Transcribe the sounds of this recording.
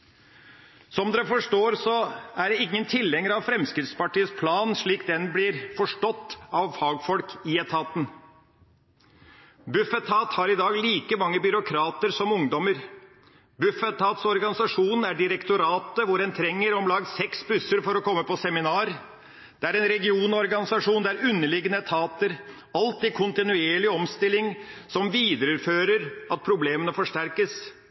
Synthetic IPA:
sɔmd̪ɛfɔʂʈoːɾsɔæɖɛɪŋːənt̪ʰɪlhɛŋːəɾɑʋfɾɛmskɾɪft̪spɑʈiːəspʰlɑːnʂɭiːkd̪ɛnblɪɾfɔʂʈɔt̪ːɑʋfɑːɡfɔlkɪɛt̪ʰɑːt̪n̩ | bʉfɛt̪ʰːɑːt̪hɑɾɪd̪ɑːɡliːkəmɑŋːəbʏɾʊkʰɾɑːt̪əɾsɔmʊŋd̪ɔməɾ | bʉfət̪ʰːɑːt̪sɔɾɡɑnɪsɑʂuːnæɖɪɾɛkt̪ʊɾɑːt̪əʋʊɾdɛnt̪ʰɾɛŋːəɾɔmlɑɡsɛksbʉsəɾfɔɾɔkʰɔmːəpɔsɛmɪnɑːɾ | d̪̥ɛæɾɛnɾɛɡɪuːnɔɾɡɑnɪsɑʂuːnd̪ɛæɾʉnːəɭɪɡənət̪ʰɑːt̪əɾ | ɑlt̪iːkʰʊnt̪ɪnʉeːɭɪɔmst̪ɪlːɪŋsɔmʋiːd̪əɾʉɾføːɾəɾɑt̪̚pʰɾʊbleːmənəfɔʂʈæɾkəs

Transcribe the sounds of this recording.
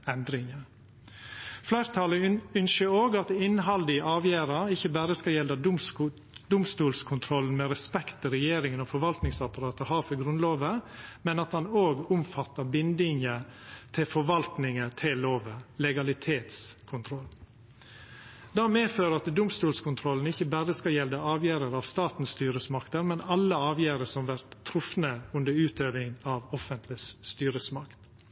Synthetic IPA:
ɛnd̪ɾɪŋə | flæɪɾt̪ʰɑləʏnʃəɾoːɡɑt̪ɪnɦɑld̪ɪʔɑːʋjæːɾɑɪçːəbæːɾəskɑljɛlːɑ | d̪ʊmst̪uːlskʰʊnt̪ʰɾɔln̩mɛɾɛspɛkt̪ɪɾɛjeːɾɪŋənɔfɔɾʋɑlt̪nɪŋsɑpɑɾɑːt̪əhɑːɾfɔɡɾʉnloːʋəmɛnɑt̪hɑnoːɡʊmfɑt̪ːəbɪnd̪ɪŋət̪ʰɪlfɔɾʋɑlt̪nɪŋət̪ʰɪlːoːʋəlɛɡɑlɪt̪ʰeːt̪skʰʊnt̪ʰɾɔlː | d̪ɑːmeːføːɾəɑt̪d̪ʊmst̪uːlskʊnt̪ʰɾɔln̩ɪçːəbæɾəskɑljɛld̪əɑːʋjæːɾəɾɑʋst̪ɑːt̪n̩st̪yːɾəsmɑkt̪əɾmɛnɑlːəɑːʋjæːɾəsɔmʋæɾt̪ʰːɾʊfnəʉnd̪əɾʉːt̪øːʋɪŋɑʋɔfənt̪ʰlɪsst̪yːɾəsmɑkt̪

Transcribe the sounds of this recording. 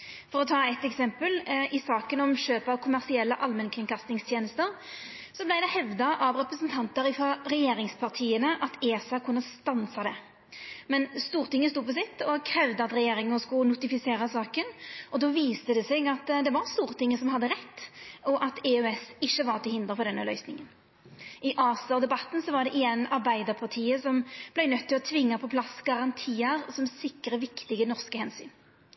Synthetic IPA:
fɔɾɔt̪ʰɑːɛt̪ːɛksɛmpəlɪsɑːkənɔmɕøːpɑʋkʰʊmæʁsɪɛlːəʔɑlmənkʰʁɪŋkʰɑst̪ɪŋst̪ʰjeːnəst̪əɾ | sɔblæɪd̪ɛhɛʋd̪ɑʔɑʋɾɛpɾəsnt̪ʰɑnt̪əɾɪfɑɾɛjeːɾɪŋspʰɑʁt̪ʰiːənəʔɑt̪eːsɑkʰʊnːəst̪ɑnsɑd̪ɛ | mɛnst̪uːɾt̪ɪŋːəst̪uːpɔs̬ɪt̪ːɔkʰɾɛʉʋd̪əɑt̪ɾɛjeːɾɪŋəskʊnʊt̪ɪfɪseːɾəsɑːkənʔɔd̪ɔːʋiːst̪əd̪ɛsɛɡɑt̪d̪ɛʋɑɾst̪uːʁt̪ʰɪŋːəsɔmɦɑd̪ːəɾɛt̪ːɔʔɑt̪ɛœɛsɪçːəʋɑʁt̪ʰɪlhɪnd̪ʁəfɔd̪ɛnːə̰lœʏsnɪŋən | ʔɪʔɑːsd̪ɛbɑt̪ːn̩sɔʋɑɾd̪ɛʔɪjɛnɑɾbæɪd̪əʁpʰɑʁt̪ʰiːəsɔmb̥lɛɪnœt̪ʰːɪlɔt̪ʰʋɪŋːɑpʰɔpʰlɑsɡ̥ɑʁɑnt̪ʰiːəɾsɔmsɪkːɾəʋɪkt̪ɪɡənɔʁskəhɛnsy̰ːn

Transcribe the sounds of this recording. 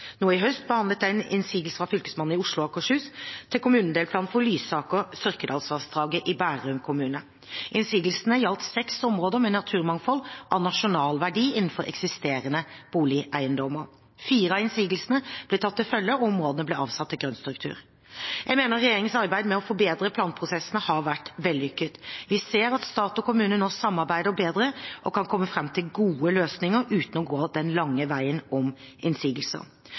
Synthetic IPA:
nuːɪɦœst̪̚bəhɑnd̪lət̪̚d̪æɪnɪ̰nsiːɡ̪l̩səʁɑfʏlkəsmɑn̩ːɪʊʂlʊɑkʰɔʂhʉːst̪ʰːɪlkʰʊmʉːnnd̪eːlp̪ʰɑːnfɔlyːsɑːkɔsʏʁkəd̪ɑlsʋɑʁsd̪ʁɑːɡəʔɪbæːɾʉŋkʰʊmʉːnə | ʔɪnsiːɡ̪lsnəjɑlt̪sɛksɔmʁoːd̪əɾmɛnɑt̪ʰʉːʁmɑŋfɔlːʔɑʋnɑʂʊnɑːlʋæɖiːɪnn̩fɔɾɛ̰ksɪst̪eːɾənəb̥uːlɪʔæɪənd̪ɔmə | fiːɾəɑɪnsiːɡ̪l̩sənəb̥lɪt̪ʰɑt̪ːɪlfœljəɔmoːd̪ənəblɪɑːʋsɑt̪ʰːɪlɡɾœnst̪ɾʉk̚t̪ʰʉ̰ːɾ | jæɪmeːnəɾɛjeːɾɪŋənsɑʁbæɪd̪mɛɔfɔbeːd̪ɾəpʰlɑːnpʰʁʊsɛsːənəhɑɾʋæʈʋɛld̪ɪʏkːət̪ʋɪseːɾɑt̪st̪ɑːt̪ɔkʊmʉːnənɔsɑmːɑɾbæɪd̪əbeːd̪ɾəʔɔkʰɑnkʰɔmːəfɾɛmːt̪ʰɪlɡuːəløːsnɪŋəɾʉːt̪n̩ɔɡoːd̪ɛnlɑŋːəʋæɪənɔm | ɪnsiːɡəl̩sə̰

